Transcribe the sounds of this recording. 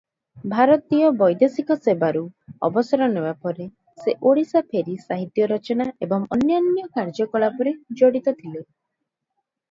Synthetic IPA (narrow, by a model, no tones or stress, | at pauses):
bʱaɾɔt̪ijɔbɔjd̪esikɔsebaɾuɔ̰bɔsɔɾɔnebapɔɾe | seʔoɽisapʰeɾisaɦit̪jɔɾɔt͡ʃɔnaʔebɔŋɔ̰njɔnːjɔkaɾd͡ʒɔkɔɭapɔɾed͡ʒoɽit̪ɔt̪ʰile